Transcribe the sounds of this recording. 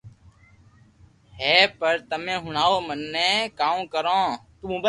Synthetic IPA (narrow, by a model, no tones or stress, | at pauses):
ɦɛːpəɾt̪əmẽːɦʊɳaːoːmənːẽːkaːmkəɾãːt̪ũːbə